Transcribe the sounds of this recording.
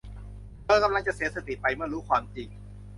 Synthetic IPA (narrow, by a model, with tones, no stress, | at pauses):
kɤː˧˥˩ka˧mla˧ŋt͡ɕa˨˩ʔsiː˨˦˥sa˧t̪i˨˩pa˧jmɯ˥˩ɐɾuː˦˥kʰwaː˧mt͡ɕi˧˩ŋ